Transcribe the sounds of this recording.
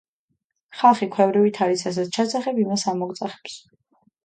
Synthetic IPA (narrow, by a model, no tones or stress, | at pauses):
χalˠχikʰwɛvɾivit̪ʰaɾisʰas̬ɛt̪t͡ʃʰasaχɛbimasamɔɡt̪sʼaχɛ̥ps